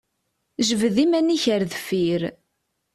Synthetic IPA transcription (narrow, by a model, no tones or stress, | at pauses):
ʒəvəðimæniçəɾðfiɾ